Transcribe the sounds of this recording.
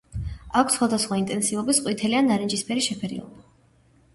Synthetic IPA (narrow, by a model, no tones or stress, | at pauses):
akʰsχwad̪asχwaint̪ʼɛnsiɔbisqʼwit̪ʰɛlianːaɾind͡ʒispʰɛɾiʃɛpʰɛɾḭɔ̰lˠba